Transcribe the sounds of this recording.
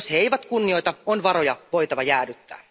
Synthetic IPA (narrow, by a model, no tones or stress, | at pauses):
shejʋæt̪kunːio̞jt̪ɑonʋɑɾo̞jɑʋo̞jt̪ɑʋɑjæːdyt̪ːæ̰ː